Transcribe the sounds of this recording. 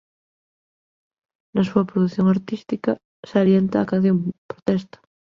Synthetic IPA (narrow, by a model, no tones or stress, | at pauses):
nasuɐpɾoðuθjoŋaɾt̪ist̪ika | saɾjent̪aːkan̟θjompɾot̪ɛst̪ḁ